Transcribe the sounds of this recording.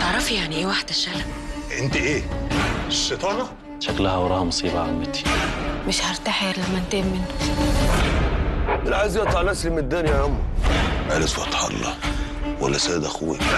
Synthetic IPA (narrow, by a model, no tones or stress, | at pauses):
t̪eʕɾˤɑfijaʕniʔeːwaħd̪æʃːælæmʔent̪iʔeː | ʃːet̪ˤɑːnɑ | ʃæklæhæwɾˤɑːhmɑsˤiːbaʕamːɪt̪i̥mɪʃhɑɾˤt̪aħeɾlæmːænt̪emːɪnːʊ | mɪnʕazijæt̪ˤɑlæslmet̪d̪ːæːnjæamːɑʕaleswɑt̪ˤħɑ̰lːɑ̰wæ̰lːæsæːd̪æxuwḛ